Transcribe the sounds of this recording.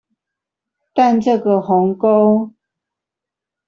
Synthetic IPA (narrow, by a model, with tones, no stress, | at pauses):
t̪a˥˨nʈ͡ʂɤ˥˨ɡə˨˩hɔ˨˦ŋko˦ʊ